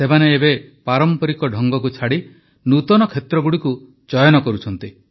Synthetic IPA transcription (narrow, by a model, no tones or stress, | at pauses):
semaneːbepaɾɔmpɔɾikɔɖʱɔŋɡɔkut͡ʃʰaɽi | nut̪ɔnɔkʰet̪ɾɔɡuɽiku | d͡ʒɔjɔnɔkɔɾut͡ʃʰɔnt̪i